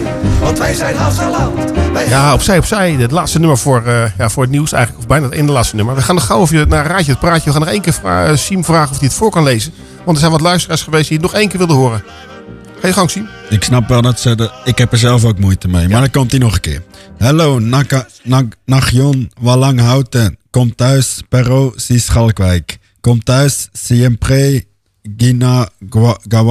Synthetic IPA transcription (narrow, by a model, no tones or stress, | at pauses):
ɔntʋɛjzɛjnaɛlajaɔpsɛjɔpsɛjətlaːtstənʏməɹfoəɹəjafʊːɹətniwsɛ̰jɣŋnləkɔfbɛjnatḛːndəlaːt͡sstənøməɹʋəxaːnɔxawɔfjənaraːt͡ʃət̚praːcəʋəxaːnɔχxeːnkɪːɹfra̰simfraːɣənɔfdiətfoːɹkɔnleːzən | ʋɔntdəɹsɛjnʋɔtlœɥstəraːsχəʋeːsdijənɔxeːnkɪːʋɪlˠdəhoəɾə | xajəxanŋsimɪksnɑpʋɛlˠnɛtsoːdɪkhɛpəzɛlˠfoːkmujtəmejmadəkɔmtinɔχəkɪ̰ːɹhɛloː | naχjonʋalɑŋɦawtəkɔmtœɥspɛroːsisχɑlˠkʋɛjkː | ɔmtœɥsːiɛmpreː | ɡina | ɡa